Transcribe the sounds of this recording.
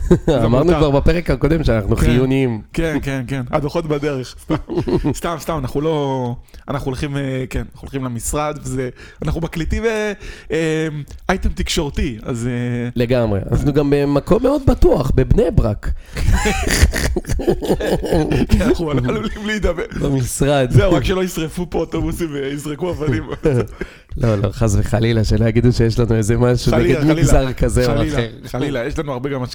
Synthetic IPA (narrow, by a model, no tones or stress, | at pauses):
amaʁnukvaʁbapeʁekhako̞d̪e̞mʃeanaχnukχijjunimkenkenkena̰d̪oχo̞t̪bad̪e̞ʁeχst̪amst̪amst̪amanaχnulo̞anaχnulχimekenanaχulχimlemisʁad̪vezeanaχnubaklit̪iveemajt̪emt̪ikʃo̞ʁt̪ia̰zele̞ɡamʁea̰naχnuɡambe̞mako̞mːe̞o̞d̪̚bat̪uaχbe̞bnebʁak | χuablid̪abebamisʁad̪zeuʁakʃeloisʁefupoot̪obusimveizʁekuavanim | lo̞lo̞χazveχalilaʃelojaɡid̪uʃejeʃlanuezemaʃueɡed̪miɡzaʁkazeoaχeʁalilajeʃlanuaʁbeɡamaʃ